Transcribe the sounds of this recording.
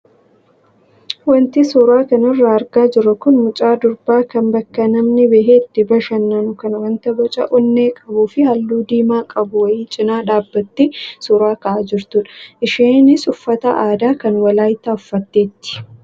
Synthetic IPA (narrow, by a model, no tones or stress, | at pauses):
wɐnt̪ɪsʊɾaːkɐnɪrːɐɐɾɡaːd͡ʒɪɾɐkʊnmʊt͡ʃʼaːd̪ʊɾbaːkɐnbɐkːɐnɐmnɪbɛɦeːt̪ːɪbɐʃɐnːɐnʊkɐnɐwɐnt̪ɐbɔt͡ʃʼɐ̰ʔɔnːeːkʼɐbuːfɪhɐlːuːd̪iːmaːkʼɐbʊwɐjiːt͡ʃʼɪnaːᶑaːbːɐt̪ːɪsʊɾaːkɐʔaːd͡ʒɪɾt̪ʊᶑɐ̥ʔɪʃiːnɪsʊfːɐt̪ɐʔaːd̪aːkɐnwɐlaːjt̪aʊfːɐt̪ːeːt̪ːɪ̥